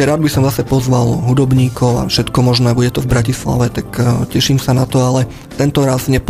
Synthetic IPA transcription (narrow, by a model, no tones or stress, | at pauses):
ɾaːd̪̚bisɔmzasɛpɔzʋalɦud̪ɔbɲiːkɔʊa̰fʃɛt̪kɔmɔʒnɛːbuɟɛt̪ɔvbɾacisla̰ʋɛt̪akcɛʃiːmsanat̪ɔalɛ | t̪ɛnt̪ɔɾazɲɛp